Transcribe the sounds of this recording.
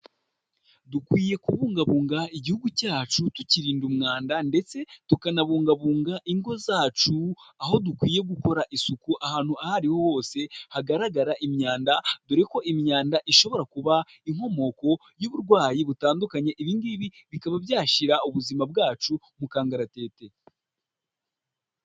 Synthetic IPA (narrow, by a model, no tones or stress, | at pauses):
dukwiːje̞kuβuːŋɡaβuːŋɡaiɟihuɡucaːt͡ʃutuciɾiːndumŋaːndande̞t͡se̞tukanaβuːŋɡaβuːŋɡaʔiŋɡo̞zaːt͡ʃuaɦo̞dukwiːje̞ɡuko̞ɾaʔisukuʔahaːn̥huahaɾiho̞ho̞ːse̞haɡaɾaɡaɾaʔimɲaːndaduɾeko̞ʔimɲaːndaʔiʃo̞βo̞ɾakuβa | iŋho̞mo̞ko̞ | juβuɾɡwaːjiβutaːndukaɲe̞ʔiβiːndiβi | βikaβabjaːʃiɾauβuzimab̚ɡaːt͡ʃu | mukaːŋɡaɾate̞ːte̞